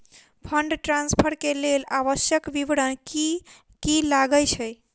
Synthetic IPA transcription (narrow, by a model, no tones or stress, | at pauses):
pʰəɳɖʈɾãnspʰəɾkelelaβəsjəkʋiʋɽəni | kilaɡəjt͡ʃʰəj